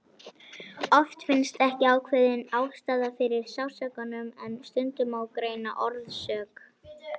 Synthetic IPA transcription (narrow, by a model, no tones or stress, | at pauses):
ɔft̪fɪnst̪ɛhcɪaːwkʰvɛːðɪnaːwst̪aːðafɪɾɪɾ̥sawsɛkanʏmɛnst̪ʏnt̪ʏmawkɾeːjna̰ʔɔɾðsœːk